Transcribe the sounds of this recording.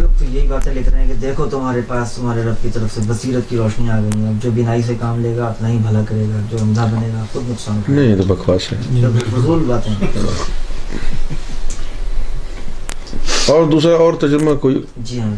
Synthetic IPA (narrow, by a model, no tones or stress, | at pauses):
loːkt̪ojɐɦibaːt̪ẽlekɾaːɦɛ̃ked̪eːkʰot̪ʊmaːɾepaːst̪ʊmaːɾeɾɐb̚kit̪ɐɾəfseʋɐsiːɾət̪kiɾɔːʃniaːɡɐĩɡãd͡ʒoːbɪnaːis̬ekaːmleːɡaɐpnaɦĩbʱɐlakɐɾeːɡaːd͡ʒoːɐmd̪ʱabɐneːɡaxʊb̪nʊksaːnknɐ̃ɦĩt̪obɐkʰʋaːsɛ̰fʊsuːlbaːt̪ɦɛ̰̃ | ɔːɾd̪uːsɾaɔːɾt̪ɐd͡ʒɾmakoːi | d͡ʒiːɐm